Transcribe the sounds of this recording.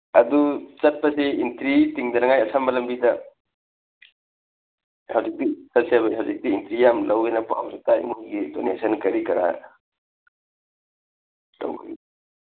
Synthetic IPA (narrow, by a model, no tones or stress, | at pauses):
ɐdut͡ʃɐt̚pɐseintɾitiŋdɐnɐŋajɐsamɐlɐmbidɐ | hawzik̚disɐlseabaɦawzik̚diːntɾijamlɐwejnɐpa̰wɾitaḭmuŋɡidonḛsɐnkɐɾikɐɾa̰ | la̰wḭ